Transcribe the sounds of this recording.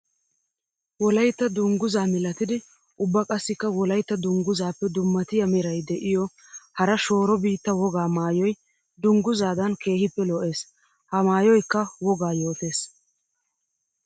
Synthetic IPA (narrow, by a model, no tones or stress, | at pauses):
wɔlɐjt̪ːɐd̪ʊŋɡʊzaːmɪlɐt̪ɪd̪ɪ | ʔʊbːɐkʼɐsːɪkːɐwɔlɐjt̪ːɐd̪ʊŋɡʊzaːpːɛd̪ʊmːɐt̪ɪjɐmɪɾɐjd̪ɛʔɪjɔ | hɐɾɐʃo̞ːɾɔbiːt̪ːɐwɔɡaːmaːjɔj | d̪ʊŋɡʊzaːd̪ɐnkʰe̞ːhɪpːɛlɔʔe̞ːs | hɐmaːjɔjkːɐwɔɡaːjo̞ːt̪e̞ːs